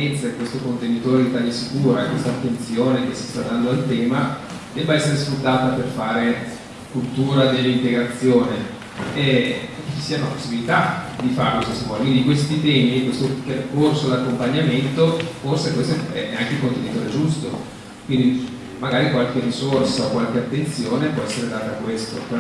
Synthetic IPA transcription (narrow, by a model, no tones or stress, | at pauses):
et̪sakwest̪okont̪enit̪oːɾed̪it̪aːlasikuːɾakːwest̪aːt̪ːent̪sjoːnek̟esi̥st̪ad̪ːand̪oalt̪ɛːma | d̪ɛbːaɛsːeɾesfɾut̪ːaːt̪aperfaːɾe | kult̪uːɾad̪elːint̪eɡɾat̪sjoːne | ɛt͡ʃi̥sːiːanapo̥sːibilit̪ad̪ifa̰ɾekoskest̪omɔdokwind̪ikwest̪it̪ɛːmikwest̪operkorsod̪akːompaɲːament̪oforsekwest̪ɛ̰ɛaŋkekont̪enit̪oːɾed͡ʒust̪o | kwind̪i | maɡaːɾikwalk̟erisorsaokwalk̟eat̪ːent̪sjoːnepwɔɛsːeɾed̪aːt̪aːkwest̪o̰